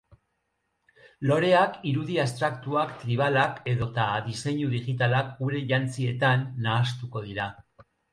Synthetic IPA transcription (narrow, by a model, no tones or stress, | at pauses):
lo̞ɾe̞akiɾuðiast̪ɾakt̪uakt̪ɾiβ̞alake̞ðo̞t̪aðise̞ɲuðiɣit̪alakɡuɾe̞ʝant͡sie̞t̪anːaːst̪uko̞ð̞iɾa